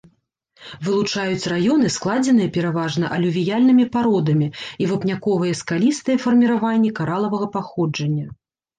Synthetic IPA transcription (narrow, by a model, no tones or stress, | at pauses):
vɨlˠut͡ʂajut͡sʲrajɔn̪ɨsklˠad͡zʲɛnɨjɐpʲɛɾavaʐnɐʔɐlʲuvʲijalʲnɨmʲipaɾɔd̪ɐmʲiivɨpnʲakɔvɨjɐskalʲist̪ɨjɐfɐrmʲiɾavanʲːɛkaɾalˠɐvɐɣɐpaxɔd͡ʐɐnʲːɐ